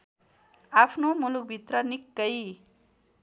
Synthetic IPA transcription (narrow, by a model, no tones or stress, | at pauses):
apʰnomuluk̚bʱit̪rʌnikːʌj